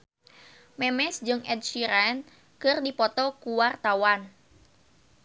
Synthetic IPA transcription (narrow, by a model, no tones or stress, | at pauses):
mɛmɛsd͡ʒɨŋɛd̚ʃiɾɛn | kɨrdipɔt̪ɔkuwart̪awan